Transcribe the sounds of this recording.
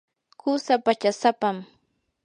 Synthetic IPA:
kʊsapat͡ʃasapam

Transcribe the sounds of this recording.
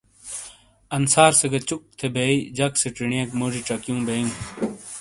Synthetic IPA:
ɐnsaːɾseɡɐt͡ɕuk̚t̪ʰebeid͡ʑɐkseʈiɳijekmoːd͡ʑiʈ͡ʂɐkijũːbejũː

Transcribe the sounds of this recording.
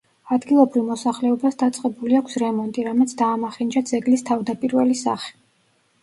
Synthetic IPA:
ad̪ɡilˠɔbɾivmɔsaχlɛɔbasd̪at̪sʼqʼɛbuliakʷʰsɾɛmɔnt̪ʼiɾamɛt̪sʰd̪aːmaχind͡ʒad̪zɛɡlist̪ʰavd̪apʼiɾvɛlisa̰χɛ̥

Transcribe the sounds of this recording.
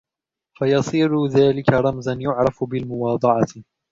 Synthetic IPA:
fajɑsˤiːɾʊðaːlɪkaɾˤɑmzanjʊʕɾˤɑfbɪlmʊwɑːd̪ˤɑʕɑ

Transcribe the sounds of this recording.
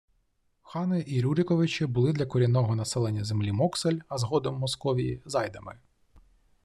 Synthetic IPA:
xɑnɪʔiɾʲuɾʲɪkɔʋɪt͡ʃɪbʊlˠɪd̪lʲɐkɔɾʲijnɔɦɔnɐsɛlˠenʲːɐzemlʲimɔkselʲɐzɦɔd̪ɔmːɔskɔʋʲijḭzɑjd̪ɐmɪ

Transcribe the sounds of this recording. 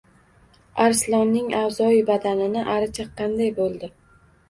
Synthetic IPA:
aɾslˠɒnːɪŋawzɒɪbad̪anɪnɪʔaɾɪt͡ʃʰaqʰːɑnd̪ajbolˠd̪ɪ

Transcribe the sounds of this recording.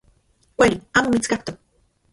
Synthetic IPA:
kʷaliaːmomit͡skaht̪ok̚

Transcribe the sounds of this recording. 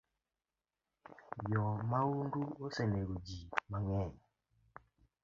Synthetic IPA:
jɔmawunduosɛneɾud͡ʒimaŋɛɲ

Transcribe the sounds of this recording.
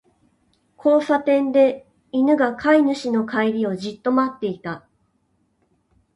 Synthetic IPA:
kʰo̞ːsat̪ẽ̞nd̪e̞ | inɯ̟ɡakʰainɯ̟ɕino̞kʰaiɾʲio̞ʑit̪ːo̞mat̪ːe̞it̪a

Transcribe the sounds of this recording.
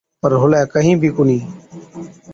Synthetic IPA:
pəɾɦʊlɛːkəɦĩːbʱiːkʊnĩː

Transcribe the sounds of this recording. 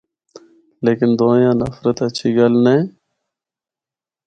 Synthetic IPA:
leːkɪnd̪oːjãːnə̰fɾət̪ət͡ʃʰiːɡəlnẽː

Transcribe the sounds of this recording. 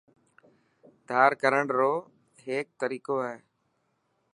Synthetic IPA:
d̪ʱaːɾkəɾəɳɾoː | ɦeːk̚t̪əɾiːkoːɦɛː

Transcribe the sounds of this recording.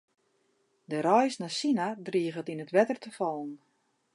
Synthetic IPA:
dəɾɔjsnasinadriəɣətinətʋɛtərtəfɔlˠn̩

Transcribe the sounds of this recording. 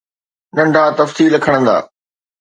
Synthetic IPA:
nɐ̃ɳɖʱaːt̪ɐfsiːlɐkʰəɽ̃ə̃nd̪a̰ː

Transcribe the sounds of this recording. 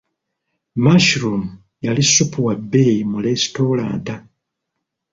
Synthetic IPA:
maʃɾum | jalisːupuwabːejimulesi̥toːla̰ːnta

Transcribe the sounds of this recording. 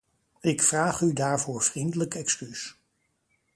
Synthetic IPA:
ɪkfraːχydaːɹvʊːɹv̥rindələkɛkskys

